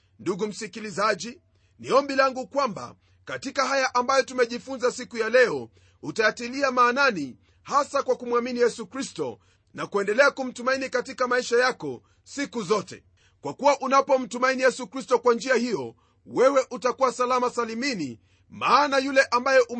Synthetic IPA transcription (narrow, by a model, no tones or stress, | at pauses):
nduɡum̩sikilizaʄi | niɔmbilaŋɡukwamba̰ | katikaɦajaʔambajɔtumɛʄifunzasikujalɛɔ | utajatiliamaːnani | hasakwakumwaminijɛsukɾistɔ̰ | nakuɛndɛlɛakum̩tumainikatikamaiʃajakɔ | sikuzɔtɛ̰ | kwakuwaʔunapɔm̩tumainijɛsukɾistɔkwand͡ʒiahijɔ | wɛwɛʔutakuwasalamasalimini | maːnajulɛʔambajɔʔu